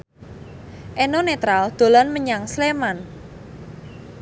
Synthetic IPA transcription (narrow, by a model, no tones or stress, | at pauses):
ʔenonet̪ɾald̪̥o̤lanməɲaŋsleman